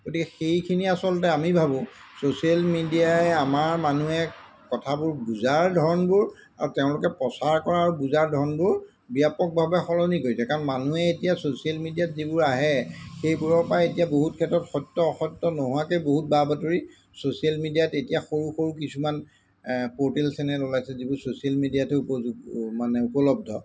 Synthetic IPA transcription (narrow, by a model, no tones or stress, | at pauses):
ɡ̥otikɛxejkʰiniasɔltɛamibʱabʊ̃ | sosialmidiaɛamaɹmanuɛ | kɔtʰabʊɹbuzaɹdʱɔɹɔnbʊɹ | a̰ɹuteʊ̃lʊkɛpɔsaɹkɔɹaːɹubuzaɹdʱɔɹɔnbʊɹ | biapɔk̚bʱabɛxɔlɔnikojsɛkaɹɔnmanuɛetijasosialmidijatzibʊɹaɦɛxejbuɹɔpajetijaboɦutkʰɛtɹɔtxɔjtːɔɔxɔjtːɔnɔɦuwakejboɦut̚babatuɹi | sosialmidijatetijaxoɹuxoɹukisuman | potelsɛnɛlɔlajsɛzibʊɹsosialmidijatɛupɔɡmanɛupɔlɔb̚dʱɔ